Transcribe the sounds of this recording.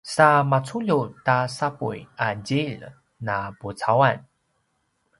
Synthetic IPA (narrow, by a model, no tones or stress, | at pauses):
samat͡suʎutasapṵjad͡ʑil | naput͡sawan